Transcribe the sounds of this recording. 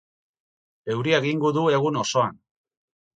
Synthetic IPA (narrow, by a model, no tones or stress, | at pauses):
e̞wɾieɣiŋɡoðue̞ɣuno̞so̞an